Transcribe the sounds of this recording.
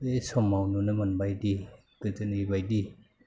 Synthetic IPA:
esɔmːawnunɯmanbajdi | kɯtɯniibajdi

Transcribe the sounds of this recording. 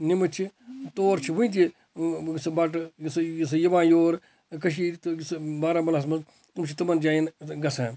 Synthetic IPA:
nimɨt͡ʃʰit̪oːɾt͡ʃʰiʋuĩt̪̬i | sbɐʈ̬ss̬ɐjɐʋãːjoːɾ | kɐʃ̬iːsbaːɾaːmɐlɐs̬mɐ | umt͡ʃʰit̪ɐmɐnd͡ʒaːjinɡɐsɛ̃ː

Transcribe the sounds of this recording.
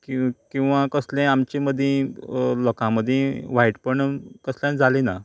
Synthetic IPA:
kkĩw̃ʋakəslɛ̃amt͡ɕẽməd̪ʱjẽlɔkãməd̪ʱjẽʋ̤aiʈpəɳkəsljãnd͡zʱalina

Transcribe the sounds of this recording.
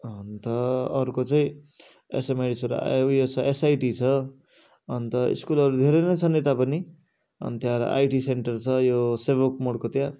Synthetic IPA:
ʌnt̪ʌʌɾukot͡saĩ | ḛsemaɖisʰoɾ̰jot͡sʰʌesajʈit͡sʰʌ | ʌnt̪ʌḭskulʌɾud̪ʱeɾenʌjt͡sʰʌnet̪apʌni | ʌ̰nt̪jãɾ̰ʔa̰jʈiseɳʈʌrt͡sʰʌjosebokmoɽkot̪jã

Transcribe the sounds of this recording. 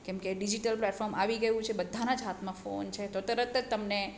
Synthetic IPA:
kɛ̃mkeɖid͡ʒiʈəlplɛʈfɔɾmaʋiɡəjũt͡ʃʰebəd̪ʱːanad͡ʒɦat̪ʰmãfo̰nt͡ʃʰet̪ot̪əɾət̪t̪əmne

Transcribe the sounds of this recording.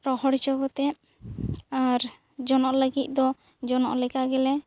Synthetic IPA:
ɾɔhɔɽt͡ʃɔɡɔt̪ɛ | aɾ | d͡ʒɔnɔʔləɡit̪̚ˀd̪ɔ | d͡ʒɔnɔ̰ʔlɛkaɡɛlɛ

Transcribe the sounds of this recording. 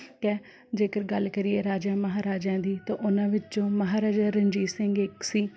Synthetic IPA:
kɛ | d͡ʒeːkəɾɡəlkəɾiːeːɾaːd͡ʒaːməɦaːɾaːd͡ʒãːd̪iːt̪ãːʔʊnãːʋɪt͡ʃt͡ʃõːməɦaːɾaːd͡ʒaːɾəɲd͡ʒiːsɪ̃ŋɡɪksiː

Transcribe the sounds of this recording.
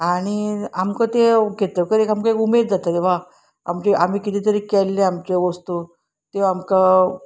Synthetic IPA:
aɽ̃iamkə̃t̪eɡʱet̪əkəɾekamkəekumed̪̚d͡zat̪at̪eʋa | a̰mt͡ɕeʔam̤iːkit̪it̪əɾikɛlːeamt͡ɕeʋəst̪u | t̪eamka

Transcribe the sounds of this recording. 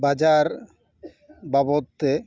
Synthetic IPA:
bad͡ʑaɾ | babot̪ːe

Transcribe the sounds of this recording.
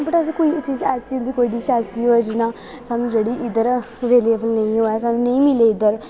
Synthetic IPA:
bəʈəs̬ĩːkoːiːt͡ʃiːzɛːsiʊnd̪iːkoːiɖiːʃaːsiːɦoːɛːd͡ʒɪnãː | saːnũːd͡ʒeːɽiːʔɪd̪əɾ | ʋeːliːbəlnə̃ĩːɦoːɛːsaːnũːnə̃ĩːmɪleːɪd̪əɾ

